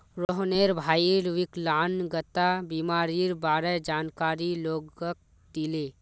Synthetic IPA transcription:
ɾoɦneːɾbʱaːiɾʋɪklaːnɡət̪abiːmaːɾiɾbaːɾɛd͡ʒaːnkaːɾiloːɡək̚ | d̪ileː

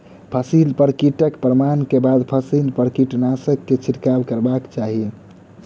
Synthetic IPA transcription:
pʰəsilpəɾkiʈəkpɾəmankebad̪pʰəsilpəɾkiʈnasəkːet͡ʃʰiɾkabkəɾbakt͡ʃaɦie

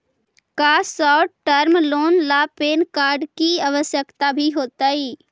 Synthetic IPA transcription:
kaːsɔːʈəɾmloːnlaːpeːnkaːɾɖkiaʋəsjəkt̪abʱiɦoːt̪aiː

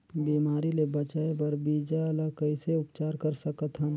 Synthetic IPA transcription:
biːmaːɾilebət͡ʃaːebəɾbiːd͡ʒalakəɪseʊpt͡ʃaːɾkəɾsəkət̪ɦə̃

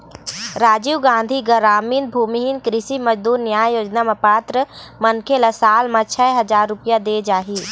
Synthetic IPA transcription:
ɾaːd͡ʒiɡãːnd̪ʱiɡəɾaːminbʱuːmiɦinkɾɪsiməd͡ʒd̪uːɾnjaːjjoːd͡ʒnamepaːt̪ɾəmənkʰeləsaːlmat͡ʃʰɛɦəd͡ʒaːɾːupijad̪ed͡ʒaːɦiː

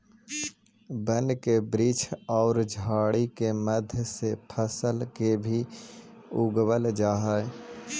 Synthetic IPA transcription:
bənkebɾiːt͡ʃʰɔːɾd͡ʒʱaːɽikeməd̪ʱjsepʰəsəlkebʱi | ʊɡwəld͡ʒaːɦəe

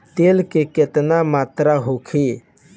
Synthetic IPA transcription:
t̪eːlkeket̪namaːt̪ɾaɦokʰe

